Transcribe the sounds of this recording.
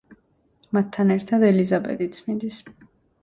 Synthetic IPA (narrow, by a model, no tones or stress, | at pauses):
mat̪ʰːanɛɾt̪ʰad̪ɛlizabɛ̰d̪it̪sʰmind̪is